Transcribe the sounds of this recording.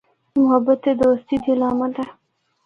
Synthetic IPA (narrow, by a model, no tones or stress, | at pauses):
mʊhabat̪ed̪oast̪id̪ilɑmad̪a